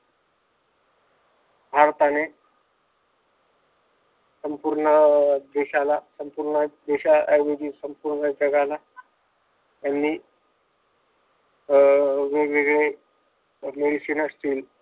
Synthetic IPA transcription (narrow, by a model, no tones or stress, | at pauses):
bʱaɾt̪ane | səmpuɾɳəd̪eɕalasəmpuɾɳəd̪eɕaʔajʋed͡ʑiːsəmpuɾɳəd͡ʑəɡala | janːiː | ʋeɡʋeɡɭe | meɽisinasʈiːl